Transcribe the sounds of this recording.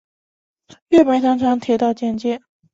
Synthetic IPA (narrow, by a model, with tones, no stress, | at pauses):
ɛ˥˩pə˨˥t̪ɑ˥ŋʈ͡ʂʰɑ˥ŋt̪ʰjɛ˧˥t̪ɑ˥˧ʊt͡ɕjɛ˥˧nt͡ɕjɛ˥˩n